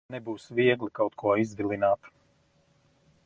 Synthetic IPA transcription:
nɛbuːsviɛɡlˠikawt̪kuɔizvilˠinaːt̪

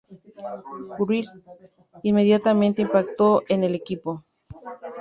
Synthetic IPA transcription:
kuɾis | inme̞ðjat̪amẽnt̪eimpak̚t̪oʔenelekipo

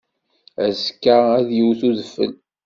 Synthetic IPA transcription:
æzkːaæðjəwθuðəfːə̰l

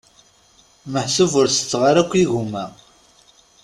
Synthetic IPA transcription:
məħsuvəɾsə̥t͡sːʁaɾækʷːiʝumæ

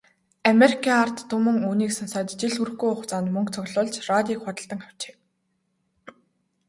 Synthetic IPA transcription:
ameɾikʰaar̥t̪ʰːʊmɵ̆ŋuːniːksɔnsaːt̪t͡ɕiɮxur̆xɡujʊχt͡saːnmɵŋkt͡sʰɔɣɮʊːɮt͡ɕrat̪ʲiːkχʊt̪ə̆ɬt̪ə̆ŋχaw̥t͡ɕe̥ː

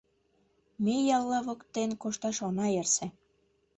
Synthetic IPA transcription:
mejɑlːɑβɤkt̪enkoʃt̪ɑʃɑnɑerse

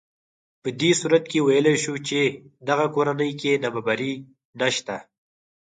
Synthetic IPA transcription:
pəd̪esuɾat̪kewajəlejʃut͡ʃed̪aɣakoɾanəjkenababaɾi | naʃt̪a

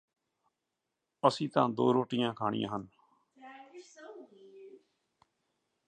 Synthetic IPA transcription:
əsĩːt̪ãːd̪o̰ːɾoːʈɪjãːkʰaːɽɪ̰jã̰ːɦən

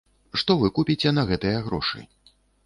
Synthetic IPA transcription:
ʂt̪ɔvɨkupʲit͡sʲɛnɐɣɛt̪ɨjɐɣɾɔ̰ʂɨ̰

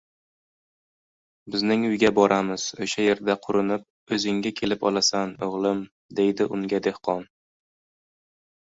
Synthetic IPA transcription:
bɪznɪŋʊjɡʲabɒɾʔamɪz̥oʃaje̞ɾd̪aqʰʊɾɪnɪp̚ | ɵzɪŋɡʲakʲʰe̞lɪpɒ̰lˠasanoʁlˠɪm | d̪e̞jd̪ɪʔʊŋɡʲad̪e̞hqʰɒn

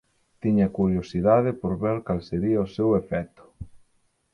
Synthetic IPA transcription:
t̪iɲɐkuɾjosiðaðɪpoɾβeɾkalseɾiɐosewefɛt̪ʊ̥

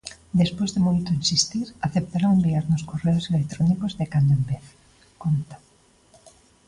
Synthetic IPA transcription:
d̪espojzðemojt̪oinsist̪iɾaθep̚t̪aɾaembiaɾnoskoreoselek̚t̪ɾɔnikozðekand̪oembeθ | kont̪ḁ

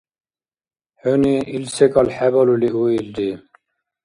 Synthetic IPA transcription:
høniilsekɑlħæbɔluliʔuild̪i

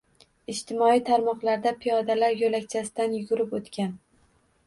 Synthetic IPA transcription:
ɪʃt̪ʰɪmɒit̪ʰaɾmɒqlˠaɾd̪apʰijɒd̪alaɾjolakʲt͡ʃʰasɪd̪anjʊɡʲʊɾɪpot̪kʲan

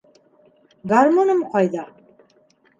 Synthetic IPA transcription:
ɡaɾmɔnəmqʰʷɑjd̪a

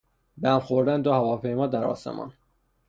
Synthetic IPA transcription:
bæmχoɾd̪ænd̪ohævɒːpʰe̞jmɒːd̪æɾɒ̰ːsḛmʔɒ̰n

